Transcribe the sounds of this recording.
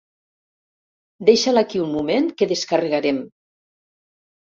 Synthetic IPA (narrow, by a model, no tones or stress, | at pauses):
d̪eʃalakiunmumeŋkeðeskareɣaɾem